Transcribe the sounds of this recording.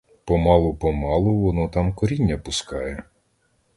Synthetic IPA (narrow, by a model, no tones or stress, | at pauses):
pɔmɑlˠʊpɔmɑlˠʊʋɔnɔt̪ɑmkɔɾʲinʲːɐpʊskɑjɛ